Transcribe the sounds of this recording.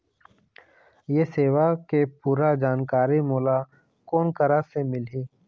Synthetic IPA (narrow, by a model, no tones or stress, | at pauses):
jeseːwakepuːɾad͡ʒaːnkaːɾimoːla | koːnkəɾasemɪliː